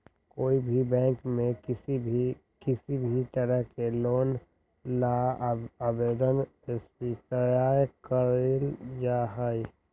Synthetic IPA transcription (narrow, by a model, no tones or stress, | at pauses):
koːibʱibɛ̃ːŋkmẽsii | kɪsibʱit̪əɾəɦkeloːn | laabeːd̪ənespikəjaːjkəɾeld͡ʒaːɦɛ